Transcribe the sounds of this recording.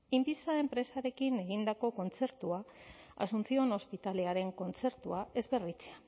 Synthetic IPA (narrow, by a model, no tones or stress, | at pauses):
impisae̞mpɾe̞saɾe̞kine̞ɣ̞ind̪ako̞ko̞nt͡se̞ɾt̪uaa̰sunt͡sio̞no̞spit̪ale̞aɾe̞ŋko̞nt͡se̞ɾt̪uae̞zβe̞rit͡sea